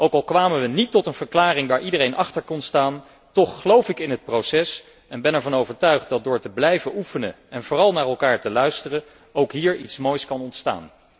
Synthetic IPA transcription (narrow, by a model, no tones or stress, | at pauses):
ʔowkɑlˠkʋaːmənʋənitːɔtənv̥əɹklaːrɪŋʋaːɹʔidərejnʔɑχtəɹkɔnstaːn | tɔχːəlowfɪkɪnɦət̚prowsɛs | ɛnbɛnɛɹvɑnowvəɹtœɥχt̚dɑt̚dʊːɹtəblɛjvəʔufənə | ɛnvʊːrɑlˠnaːɹɛlˠkaːɹtəlœɥstərə | owkɦiːɹitsmojskɑnɔntsta̰ːn